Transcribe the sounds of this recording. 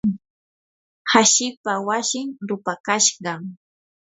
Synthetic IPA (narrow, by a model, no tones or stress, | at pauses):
haʃɪpawasɪŋɾʊpakaʃɢɑ